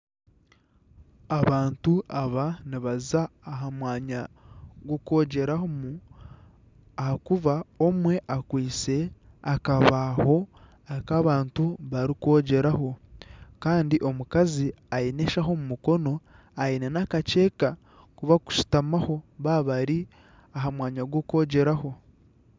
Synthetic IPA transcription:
aβaːntuaβaniβazaːɦamwaːɲaɡoko̞ːɟe̞ɾahomu | ahakuβaomwe̞ʔakwiːt͡se̞ | akaβaho̞ | akaβaːntuβaɾiko̞ːɟe̞ɾaho̞kaːndiʔo̞mukazi | aine̞ʃaɦo̞mumuko̞no̞ | ainenakace̞ːka | kuβaku̥ʃi̥tamaho̞βaβaɾi | aɦamwaːɲaɡoko̞ːɟe̞ɾaho̞

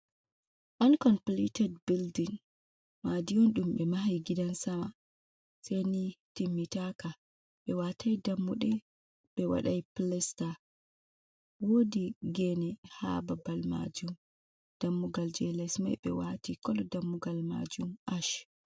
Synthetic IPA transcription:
ʔɔnkɔnplitɛdbildiŋ | madiɔnɗumɓɛmaɦajɡidansama | sejnitimːitaka | ɓɛwatʰajdamːuɗɛ | ɓɛwa̰ɗajplɛsta | wodiɡɛnɛha̰babalma̰d͡ʒum | d̥amːuɡald͡ʒɛlɛsma̰jɓɛ̰watikɔlɔdamːuɡalma̰d͡ʒumʔaʃ

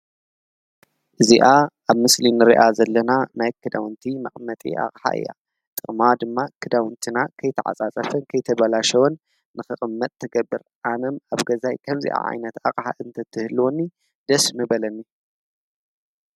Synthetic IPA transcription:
ʔɨziʔaʔaβmɨslinɨɾḭʔazɐlːɐnamɐkʰːɨd̪awɨnt̪ʰimɐχʼmːɐt̪ʼḭʔa̰χʼħa̰ʔɨ̰jːa̰ | t̪ʼɨχʼmad̪ɨmːakʰɨd̪awɨnt̪ʰɨnakʰɐjt̪ʰɐʕa̰t͡sʼat͡sʼɐfɐnkʰɐjt̪ʰɐβɐlaʃɐwɐnː | ɨxɨχʼɨmːɐt̪ʼt̪ʰːɨɡɐbːɨɾʔanɐmaβɡɐzajkʰɐmzḭʔa̰ʕa̰jnɐt̪a̰qʼħa̰ʔɨnt̪ʰɐt̪ʰɨhɨluwonːi | d̪̥ɐsmɨbɐlɐnːi

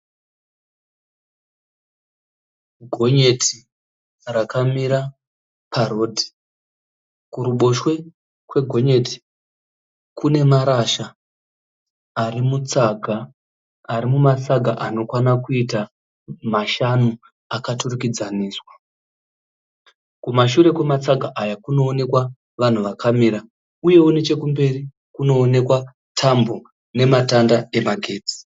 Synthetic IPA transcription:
ɡʱo̞ɲe̞tʰi | rakamiɾa | paroːdʱi̥ | kuɾuɓo̞ʃwe̞ | kwe̞ɡʱo̞ɲe̞ti̥ | kune̞maɾaʃa | rimut͡saɡʱaː | ɾimumat͡saɡʱaʔano̞kwanakuita | maʃanu | akaturukid͡zaniːswa | kumaʃuɾe̞kumat͡saɡʱaʔajakuno̞ːne̞kwa | ʋan̤uʋakʰamiɾa | uje̞wune̞t͡ʃe̞kumbe̞ri | kuno̞ːne̞kwa | tʰambo | ne̞matandae̞maɡʱe̞ːd͡zi̥

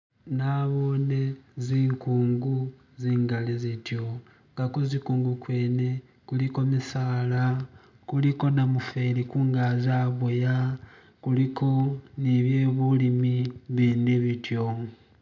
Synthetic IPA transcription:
naβo̞ːne̞ziːŋkuːŋɡu | ziːŋɡalizitjo̞ | ŋɡakozikuːŋɡukwe̞ːne̞ | kuliko̞misaːla | kuliko̞namufelikuːŋɡaːzaβoja | kulikʰo̞niβje̞ːβulimiβiːndiβitjo̞

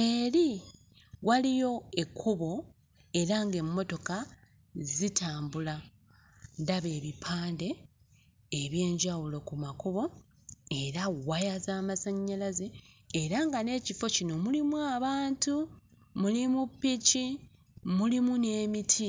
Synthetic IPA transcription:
e̞li | walijo̞e̞kʰːuβo̞ | e̞ɾaŋɡe̞mːo̞to̞ka | zitʰaːmbula | ndaβe̞ːβipʰaːnde̞ː | βje̞ːɲɟawulo̞kumakuβo̞ | e̞ɾawajazaːmasaɲːalaze̞ː | ɾaŋɡane̞ːcifo̞cino̞mulimwaːβaːntu | mulimupːici | mulimune̞ːmitʰi

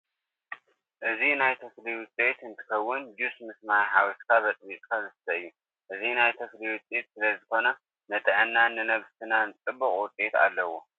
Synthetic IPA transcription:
ʔɨzinajt̪ʰɨfliwʊt͡sʼet̪ɨnt̪ʰɨ̥kɐwːʊnd͡ʒusmɨsmajħawiskʰaβɐt͡s̪ʼβit̪ʼkʰazɨsɨt̪ʰɐɨjːu | ʔɨzinajt̪ʰɐfliwʊt͡sʼet̪sɨlɐzɨxo̞nɐ | nɐt̪ʼɐʕɨnːanɨnɐβst̪ʰɨnant͡sʼɨbːɨχʼwʊt͡sʼet̪a̰lːɐwo

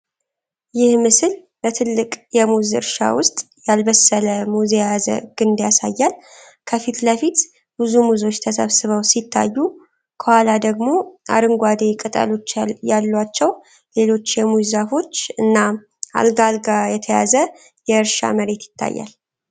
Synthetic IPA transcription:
jɪhmɨsɨl | bət̪ʰɨlːɨkʼjɛmuzɨ̰ɾʃa̰wʊst̪ʼ | jalbəsːələmuzejazə̰ɡ̥ɨnd̪jasajːal | kʰəfit̪ləfit̪ | b̥ɨzumuzo̞t͡ʃːt̪ʰəsəβsɨβəwsit̪ʰːa̰jːu | kʰəhalad̪əɡmo̞ʔa̰ɾɨŋɡʷad̪ekʼɨt̪ʼə̰lo̞t͡ʃːjalːwat͡ʃːɛw | le̞lo̞t͡ʃːjɛmuzafo̞t͡ʃːɨnːa | a̰lɡalɡajɛt̪ʰəja̰zə | jɛɨɾʃa̰məɾe̞t̪jɪ̥t̪ʰːa̰jːa̰l

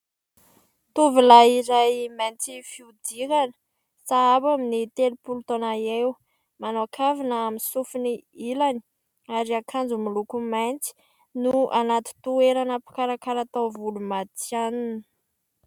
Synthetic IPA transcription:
t̪uvilaiɾajmajnt͡sifiud̪ikanə̥ | saabaminit̪elupulut̪onaew | manoakʰavinəaminsufuniilani̥ | aɾiakʰand͡zumilukumajnt͡si̥ | nuʔanat̪i̥t̪ueɾanəpi̥kaɾakaɾat̪awvulumat̪ianunə̥

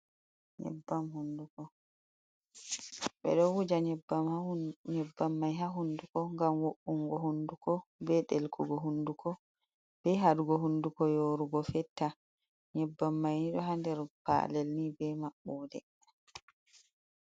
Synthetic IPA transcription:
ɲɛ̰bːamhundukɔ | ɓɛ̰ɗɔwud͡ʒaɲɛbamɲɛbːamːajɦaɦundukɔŋɡamwoɓːuŋɡɔhundukɔbɛɗɛlkʰɔɡɔɦundukʰɔ | b̥ɛɦaɗuɡɔɦundukɔjoɾuɡɔfɛtːa | ɲɛbːamːajniɗɔɦandɛɾpa̰lɛlnibɛmaɓːɔːdɛ̰

